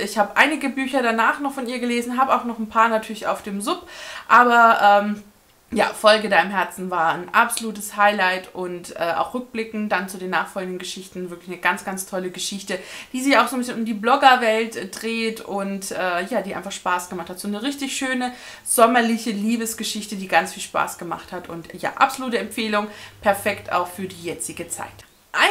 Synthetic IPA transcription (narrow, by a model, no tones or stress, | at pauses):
ʔɪçhaːbəʔaɪnɪɡəbyːçɐɾanaːχnɔχfɔniːɐɡəleːzn̩ɦaːbəaʊxnɔχn̩pʰaːɐnatʰyːɐlɪça̰ʊfd̥eːmzʊpʔaːbɐʔɛːm | ja̰ːfɔlɡədaɪmɦɛɐt͡sn̩vaːɐnʔapz̥oluːtəshaɪlaɪtʊntʔɛːʔa̰ʊxʁʏk̚b̥lɪkŋ̩td̥ant͡sudeːnːaːχfɔlɡŋ̩dən̩ɡəʃɪçtn̩vɪɐklɪçnəɡant͡sɡ̥ant͡stʰɔləɡəʃɪçtəd̥iːzɪçaʊxzoːmbɪsçənʊmdiːblɔɡɐvɛltd̥ʁeːtʊntʔɛːjaːdiːʔa̰ɪnfaχʃpaːsɡ̥əmaχthatz̥oːnəʁɪçtɪçʃøːnə | z̥ɔmɐlɪçəliːbəsɡ̥əʃɪçtədiːɡant͡sfiːlʃpa̰ːsɡ̥əma̰χthatʊntja̰ːʔa̰pzoluːtəɛmfeːlʊŋpʰɛɐfɛkta̰ʊxfyːɐdiːjɛt͡sɪɡət͡sa̰ɪt | ʔaɪ